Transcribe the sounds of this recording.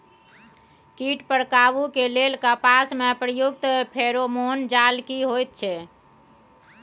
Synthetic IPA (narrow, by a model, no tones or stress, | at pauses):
kiʈpəɾkaβukelelkəpasmepɾəjuk̚t̪pʰeɾomond͡ʒalkiɦojt̪̚t͡ʃʰɛ